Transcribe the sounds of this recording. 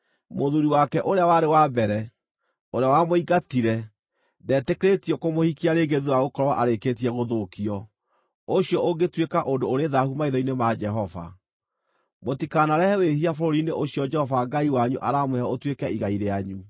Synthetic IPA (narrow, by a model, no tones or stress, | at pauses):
moðuɾiwakɛʔoɾeawaɾewabɛɾɛ | oɾeawamoiɡatiɾɛ | dɛːtekeɾetiɔkomohikiaɾeɡeðiwaɣokɔɾɔwaʔaɾeket̬iɛɣoðokiɔ | oɕiɔʔoɡetwekaʔondoːɾeðahumaiðɔinemad͡ʒɛɦɔva̰ | motikanaɾɛhɛwehiafɔɾoɾineʔoɕiɔd͡ʒɛhɔvaɡaiwaɲuʔaɾamweaotwekɛiɣaiɾeaɲu